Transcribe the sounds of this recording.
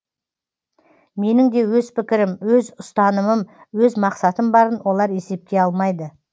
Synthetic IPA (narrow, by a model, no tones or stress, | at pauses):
me̞nɪŋd̪e̞wɵzpɪkʲɪɾɪmwɵzʊst̪ɑnəməm | wɵzmɑqsɑt̪əmbɑɾənwo̞lˠɑɾe̞se̞p̚kʲe̞ɑlˠmɑjd̪ə